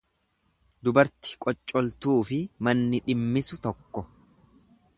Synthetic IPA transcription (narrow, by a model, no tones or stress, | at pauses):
d̪ʊbɐɾt̪ɪ̥kʼɔt͡ʃʼːɔlt̪uːfɪmɐnːɪᶑɪmːɪsʊt̪ɔkːɔ